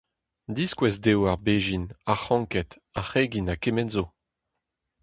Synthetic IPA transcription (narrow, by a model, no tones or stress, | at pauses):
diskwɛzdewaʁbeːʒinaχɑ̃ŋkɛt | aχeɡinakemɛnzo